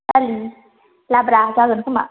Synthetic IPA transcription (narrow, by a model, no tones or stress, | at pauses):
ali | labɾat͡ʃaɯnkuma̰